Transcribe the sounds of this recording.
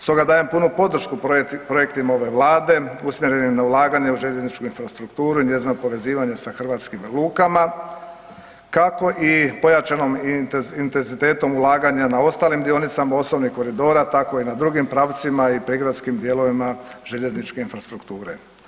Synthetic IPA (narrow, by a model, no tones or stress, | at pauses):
st̪o̞ɡad̪aːje̞mpunupo̞d̪r̩ʃkupɾo̞je̞kt̪imao̞ʋe̞ʋlˠaːd̪e̞usmʲjeɾe̞nimnaulˠaːɡaɲe̞uʒe̞ʎe̞znit͡ʃkuinfɾast̪ɾukt̪uːɾuiɲe̞zinopo̞ʋe̞ziːʋaɲesaxr̩ʋaːt̪skimlˠuːkama | kako̞ʔipo̞jat͡ʃano̞mint̪enzit̪e̞ːt̪o̞mulˠaːɡaɲanao̞st̪aːlimd̪io̞nit̪samao̞snoʋnixko̞ɾid̪o̞ːɾat̪ako̞inad̪ɾuɡimpɾaːʋt̪simaipɾiɡɾad̪skimd̪je̞lo̞ʋimaʒ̥e̞ʎe̞znit͡ʃke̞infɾast̪ɾukt̪uːɾe